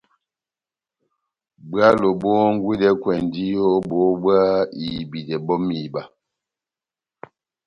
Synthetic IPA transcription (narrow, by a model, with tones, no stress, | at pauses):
bɰa˦lo˨bo˦ŋ˦ɡwe˦dɛ˦kwɛ˨n˨di˦jo˦bo˨˦bwa˦i˨bi˨dɛ˨bɔ˦mi˨ba˨